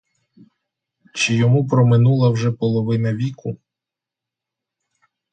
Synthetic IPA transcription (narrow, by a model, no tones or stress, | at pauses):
t͡ʃɪjɔmupɾɔmɪnulˠɐwʒɛpɔlˠɔʋɪnɐʋʲikʊ